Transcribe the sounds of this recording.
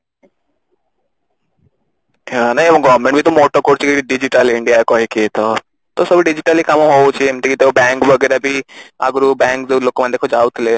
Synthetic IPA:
anãɡɔːɾmẽɳʈbʱit̪omoːʈəɾkoːɾt͡ʃkiɖɪd͡ʒɪʈəlɪɳɖijakoːɦikit̪ʰoː | t̪oːsəbɖɪd͡ʒɪʈəlikɐmɦoːt͡ʃimt̪ekit̪eobɛ̃ːŋkʋəɡɛːɾabʱiə̰ɡɾubɛ̃ːŋkd̪eloːkmãd̪eːkʰod͡ʒaːʊt̪ʰleː

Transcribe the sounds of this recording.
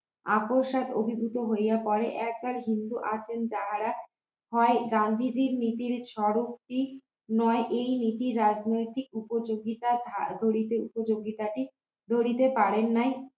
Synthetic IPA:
a̰poɾʃad̪o̰bʱibʱut̪oɦojjapɔɾeʔɛk̚balɦind̪uʔat͡ɕʰend͡ʑaɦaɾa | hɔeɡand̪ʱid͡ʑiɾnit̪iɾʃɔɾokʈi | nɔeʔejnit̪iɾːad͡ʑnojt̪ik̚upod͡ʑoɡit̪aad̪ʱoɾit̪eupod͡ʑoɡit̪aʈi | d̪ʱoɾit̪epaɾenːaj

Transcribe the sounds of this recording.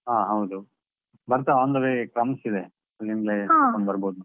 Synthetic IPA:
ɦaːɦɐwd̪u | bɐɾt̪aaːnd̪ɐʋekɾɐmsid̪e | ɐlinɡlekoɳbɐɾboːd̪unu

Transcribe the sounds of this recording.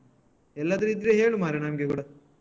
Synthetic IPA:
ɛlːad̪ɐɾiːt̪̬iɾeɦeːɭumaːɾinaːmɡekuːɽɐ

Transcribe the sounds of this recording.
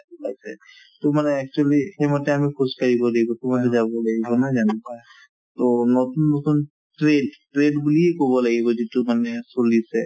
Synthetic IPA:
basʰḛ | t̪omaneɛk̚t͡ʃualihemoʈeamikʰoskaɾibolebot̪omaked͡ʒabolaɡibonad͡ʒania | t̪onɔt̪unːɔt̪un | ʈɾeɖʈɾeɖbuliekobolaɡibod͡ʒet̪ːumanesolise

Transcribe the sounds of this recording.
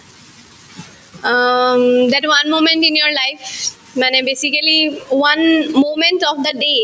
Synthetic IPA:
d̪ɛʈʋʌ̃nmõːmɛ̃ɳʈɪ̃njoɾlaɪf | mɛ̃nɛ̃beːsikəliʋʌ̃nmõːmɛ̃ɳʈɔfd̪əɖeː

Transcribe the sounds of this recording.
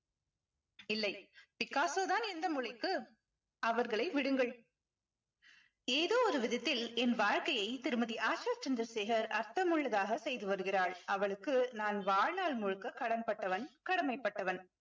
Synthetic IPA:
ɪlːɐɪpɪkːaːsoːðaːnɛnd̪ɐmʊɻɐɪkːɯ | ʔɐʋɐɾɣɐɭɐɪʋɪɽɯŋɡɐɭ | eːðoːɔɾɯʋɪðɐt̪ːɪlɛnʋaːɻkɐjɐɪt̪ɪɾɯmɐðiʔaːt͡ʃaːt͡ʃɐnd̪ɾɐɾseːɣɐɾɐɾt̪ɐmʊɭːɐðaːɣɐsɛjðɯʋɐɾɯɣɪraːɭʔɐʋɐɭɯkːɯnaːnʋaːɻnaːɭmʊɻɯkːɐkɐɽɐnpɐʈːɐʋɐnkɐɽɐmɐɪpːɐʈːɐʋɐn

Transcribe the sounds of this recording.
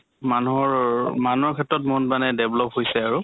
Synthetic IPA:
manuɔɹmanuɔɹkʰɛtɹɔt̬mɔndmanɛdɛblɔpɦojsɛaɹu

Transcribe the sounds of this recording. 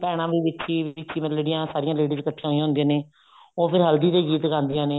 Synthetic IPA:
pɛːɽ̃ãːʋiːʋɪtʰːiːɪt͡ʃʰːiːməleːɖijãːsaːɾɪjãːleːɖiːd͡ʒkəʈ̪ʰːãːɦoːijaːʊnd̪ij̃aːneː | oːpʰɪɾɦəld̪iːd̪eːɡiːt̪ɡãːnd̪ɪjãːneː

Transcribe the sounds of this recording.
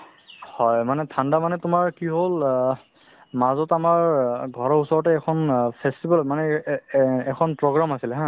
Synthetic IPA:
hɔjmanɛtʰandamanɛtʊmaɹkiɦol | mazɔtamaɹɡʱɔɹɔɹusɔɹɔtɛːkʰɔnpʰestibʱalmanɛ | ɛkʰɔnpɹɔɡɹamasilɛɦã

